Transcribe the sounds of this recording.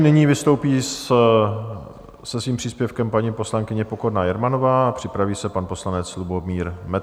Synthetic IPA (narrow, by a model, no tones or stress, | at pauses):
nɪɲiːvɪst̪o̞wpiːs | sɛsviːmpr̥iːspjɛfkɛmpaɲiːpo̞slaŋkɪɲɛpokodnajɛɾmano̞vaːpr̝̥ɪpɾaviːsɛpanpo̞slanɛt͡slubomiːɾmɛ